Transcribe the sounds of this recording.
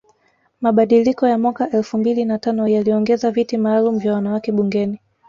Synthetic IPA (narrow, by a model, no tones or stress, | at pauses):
maɓaɗilikɔjamwakaʔɛlfumbilinatanɔjaliɔŋɡɛzavitimaːlum̩vjawanawakɛɓuŋɡɛni